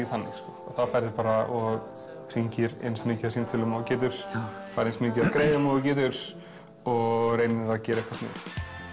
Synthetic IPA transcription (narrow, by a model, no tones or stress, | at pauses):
iθanːɪ̰xskɔɔθaðfajɾðɪpaːɾaʔɔɣ | r̥iɲcɪɾḛjnsmɪːcasimt̪ʰɪlʏmawcɪːt̪̬ʏɾ̥ | faɾejnsmɪːc̬aaðkɾeːjðɪmaːðɪcɪːt̪̬ʏɾ̥ | ɔɣrejnɪacɛːɾaejhkvḁsnɪ̰̥ː